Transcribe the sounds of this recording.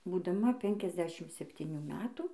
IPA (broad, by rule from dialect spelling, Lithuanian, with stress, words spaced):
buːdɐˈmɐ ˈpʲɛŋʲkʲɛzʲˌdʲæːʃʲɪm sʲɛpʲtʲiːˈnʲuː ˈmʲæːtuː